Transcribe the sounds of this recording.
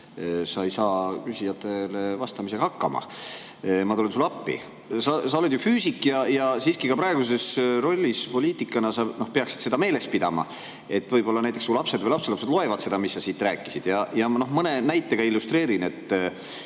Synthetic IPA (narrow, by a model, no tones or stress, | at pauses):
sɑejsɑːkysʲijɑt̪ːˑe̞levɑst̪ɑmise̥ɑhɑkːɑmɑ̰ | mɑt̪olinsulɑpːḭ | sɑsɑo̞led̪̥jufyːsikːˑjɑjɑsiːskikɑpɾɑeɡ̥us̬e̞sro̞lʲːispo̞lʲiːt̪ikˑːɑnɑsɑno̞hpe̞ɑksid̪̥se̞d̪ɑme̞ːle̞spid̪ɑmɑ̰ | e̞t̪ːˑvɤjb̥o̞lːɑnæjt̪eksulɑpse̞d̪vɤjlɑpselɑpse̞d̪lo̞e̞vɑd̪se̞d̪ɑmisːɑsiːt̪ːræːkːˑisid̪̥jɑjɑno̞hmɤne̞næjt̪ːˑe̞ɡ̥ɑilːust̪re̞ːɾine̞t̪ːˑ